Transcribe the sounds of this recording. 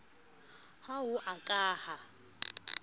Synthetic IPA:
haɦʊʔakʼaːha

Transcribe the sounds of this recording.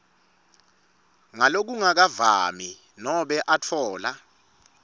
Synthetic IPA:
ŋalok̬uŋak̬ava̰mi | nɔɓɛʔat͡fʰɔːla

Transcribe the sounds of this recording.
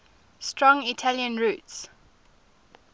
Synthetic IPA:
stɹɔ̃ŋitʰaljə̃nɹuˑts

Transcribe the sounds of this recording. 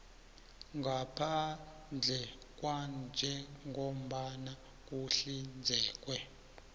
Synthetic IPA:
ŋɡʱapʰa | nd͡ɮʱɛ | k̬ʼwand͡ʒʱɛŋʱom̩ɓana | k̬ʼuɬind͡zʱɛːk̬ʼwɛ

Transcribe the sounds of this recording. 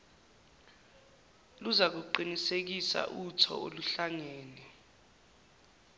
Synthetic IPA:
luzak̬uǃinisek̬isa̰ʔutʰɔ̰oluɬaŋɛːnɛ

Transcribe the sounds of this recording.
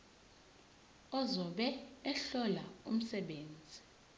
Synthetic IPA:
ɔzɔɓɛːɬɔlaṵm̩sɛɓeːnd͡zʱi

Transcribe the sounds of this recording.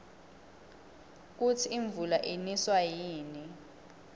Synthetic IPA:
k̬utʰiiɱb̪vulaʔiniswajiːni

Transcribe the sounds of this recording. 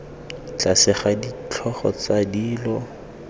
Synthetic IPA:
t͡ɬasɪχadit͡ɬʰɔχɔ̰t͡sadiːlɔ

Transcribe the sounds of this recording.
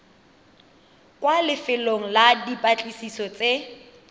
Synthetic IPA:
kwalɪfɪloŋ̩ladipʼat͡ɬʼisisɔt͡sʼe

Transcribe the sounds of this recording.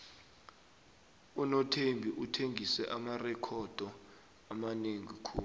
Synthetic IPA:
unɔtʰembʱiʔutʰeŋɡʱisɛʔamarɛkʰɔd̥ʱɔ | amaneŋikʰuːlu

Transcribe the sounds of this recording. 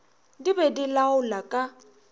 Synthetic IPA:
dibɛdilaʊlakʼa

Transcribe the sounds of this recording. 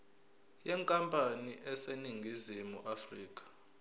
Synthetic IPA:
jɛŋkʼampʼaniʔɛseniŋɡʱizimuʔafriːkʼḁ

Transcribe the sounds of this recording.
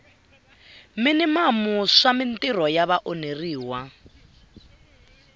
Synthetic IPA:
mɪnimamuʂamɪntirɔjaβaʔoneriːwa

